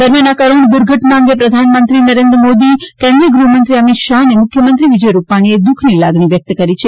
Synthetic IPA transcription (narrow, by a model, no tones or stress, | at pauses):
d̪əɾmjanakəɾuɳd̪ʊɾɡʱəʈnaə̃ŋɡepɾəd̪ʱanmənt̪ɾinəɾend̪ɾəmod̪ikɛ̃nd̪ɾiəɡɾumənt̪ɾiəmit̪ʃaɦnemʊkʰjəmənt̪ɾiʋɪd͡ʒəjɾupaɽ̃ied̪ukʰnilaɡɳ̃iʋjək̚t̪kəɾit͡ʃʰe